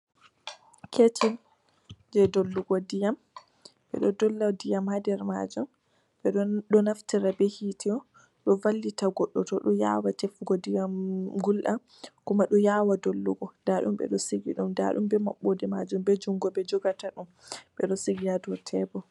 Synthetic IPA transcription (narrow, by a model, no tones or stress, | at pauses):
kʰet͡ʃim | d͡ʒɛdolːuɡɔdijam | ɓɛ̰ɗɔdɔlːadijamhadɛɾma̰d͡ʒum | ɓɛɗɗɔnaftiɾabɛhitiɔ | ɗɔvalːitaɡɔɗːɔtɔɗɔja̰watɛfuɡɔdijamɡulɗa | kumaɗɔjawadolːuɡɔd̥aɗṵmɓɛ̰ɗɔsiɡḭɗumda̰ɗumbɛma̰ɓːodɛmad͡ʒumbɛd͡ʒuŋɡɔbɛd͡ʒɔɡataɗum | ɓɛɗɔsiɡijadɔtʰɛbɔ